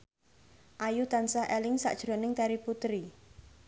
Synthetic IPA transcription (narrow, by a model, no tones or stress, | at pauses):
ʔajut̪ansaʔɛlɪŋsa̰ʔd̥ʒ̥ɾo̤nɪŋt̪aɾiput̪ɾi